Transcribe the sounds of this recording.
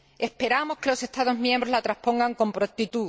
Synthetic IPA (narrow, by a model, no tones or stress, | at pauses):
e̞spe̞ɾamo̞ske̞lo̞se̞st̪aðozmjẽmbɾo̞zlat̪ɾaspõ̞ŋɡaŋko̞mpɾot̪it̪u